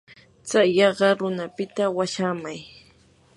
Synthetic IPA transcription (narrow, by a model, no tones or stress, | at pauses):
t͡sajːɑɢɑɾʊnapɪt̪awaʃamaj